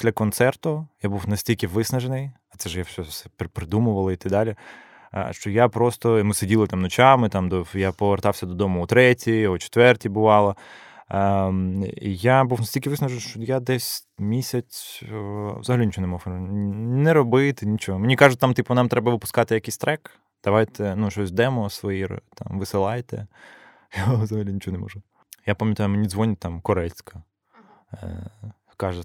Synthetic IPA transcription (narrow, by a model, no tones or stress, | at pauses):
d̥̪lʲɐkɔnt̪sɛrt̪ʊjabuwnɐsʲtʲilʲkɪʋɪsnɐʒenɪj | ɐt̪sɛʒjafsʲɔsɛppɾɪd̪umʊʋɐlˠɐit̪ɪd̪ɑlʲɪ̰ | ʃt͡ʃɔjapɾɔst̪ɔmɪsedʲilˠɐt̪amnɔt͡ʃamɪt̪ɑmd̪ɔjapɔʋert̪ɑwsʲɐd̪ɔd̪ɔmʊːt̪ɾɛtʲiɔt͡ʃɪ̥t̪ʋɛrtʲibʊʋɑlˠɐ | ijabuwnɐsʲtʲilʲkʲɪʋɪsnɐʒenʃt͡ʃɔjad̪ɛsʲmʲisʲɐt͡sʲ | ʋzɐɦɐlʲinʲit͡ʃɔɦɔnɛmɔf | nɛɾɔbɪt̪ɪnʲit͡ʃɔɦɔmenʲikɑʒʊt̚ʲt̪ɑmt̪ipʊnɑmt̪ɾɛbɐʋɪpʊ̥skɑt̪ɪjɐkejsʲt̪ɾɛk | d̪̥ɐʋɑjt̪ɛnuʃɔsʲd̪ɛmɔsʋɔjir̰t̪ɑ̰mʋɪsɪlˠɑjt̪ɛ̰ | jaʋzɐɦɐlʲinʲt͡ʃɔɦɔnɛmɔ̰ʒʊ | japɐmʲjɐt̪ajʊmenʲizʋɔnʲɪt̪ɑmkɔɾɛlʲsʲkɐ | kɑʒɛ